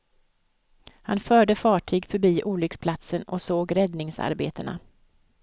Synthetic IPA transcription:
hanfœːɖəfɑːʈʰiːɡfœɾbiːʔuːlʏkspʰlat̪sənɔ̰soːɡɾɛd̪nɪŋsa̰ɾbeːt̪əna̰

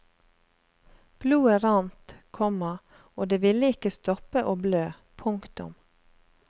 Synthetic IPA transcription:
b̥luːəɾɑnt̪kʰɔmɑ | oːd̪eːʋɪləɪkəst̪ɔpəʔoːbløː | pʰʊŋkt̪ʊ̰m

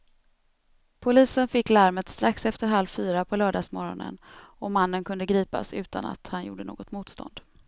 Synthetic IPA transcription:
pʰʊliːsənfɪkːlaɾmət̪st̪ɾaksɛft̪əɾɦalvfyːɾapʰɔlœːɖɑːsmɔɾɔ̰nə̰nɔmanːənkʰɵnd̪əɡɾiːpa̰sʉ̟ːt̪a̰na̰t̪hanjṵːɖəno̰ːɡɔt̪muːt̪st̪ɔ̰nd̪̥

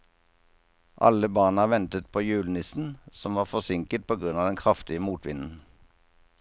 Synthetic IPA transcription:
ʔɑ̰ləbɑːnəʋɛnt̪ət̪̚pʰoːjʉːlnɪsn̩sɔmʋɑːʁfɔsɪŋkət̪̚pʰoːɡʁʉnɑːd̪ɛnkʰʁɑft̪ɪəmuːt̪ʰʋɪ̰nn̩

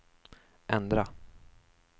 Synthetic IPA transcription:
ʔɛnd̪ɾa

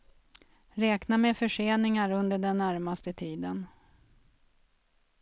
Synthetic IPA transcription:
ɾɛːknamefœʂeːnɪŋaɾɵnd̪əɖɛnːæɾmast̪ət̪ʰiːd̪ən

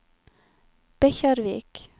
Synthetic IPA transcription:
b̥ɛçaɾvḭːk

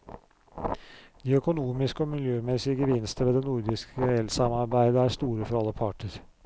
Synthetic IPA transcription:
d̪̥iːœkʊnuːmɪskɔmɪljøːmɛsɪəɡəʋɪnst̪əʋeːd̪eːnuɾd̪ɪskəɛlsɑmɑɾbæɪd̪əæːst̪uːɾəfɔɾɑlːəpʰɑʈəɾ

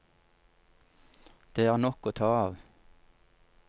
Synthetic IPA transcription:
d̪̥eːæːʁnɔkoːt̪ʰɑːɑːʋ

